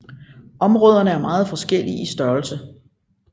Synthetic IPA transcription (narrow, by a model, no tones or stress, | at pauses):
ʔɒ̽mʁɔ̽ːð̞ˠɐnəæɐmɑ̈ːð̞̩ˠfɒ̽sɡ̥el̰iisd̥ɶɐlsə